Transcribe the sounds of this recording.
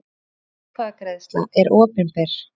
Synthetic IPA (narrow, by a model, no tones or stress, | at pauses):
kvakɾaðst̪la̰ʔɛɾʔɔːpɪnpɛɾ̥